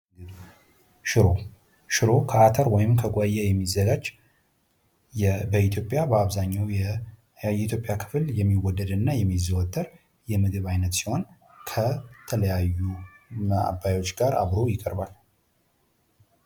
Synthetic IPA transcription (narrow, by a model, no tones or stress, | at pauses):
ʃɨɾo | ʃɨɾo̞kʰəat̪ʰəɾwɔjɪmkʰəɡʷʼajɛjɛmːizːəɡad͡ʒ | bəit̪ʰjo̞pʼjabəaβzaɲːawjɛ | ɛit̪ʰjopʼjakʰɨ̥fljɛmːiwɔd̪ːəd̪ɨnːajɛmːizəwɔt̪ʼːəɾ | jɛmɨd̪ɨβajnət̪si̥ho̞n | kʰət̪ʰələjajːuməa̰bːajo̞t͡ʃːɡaɾʔa̰βɾo̞jɪkʼəɾbal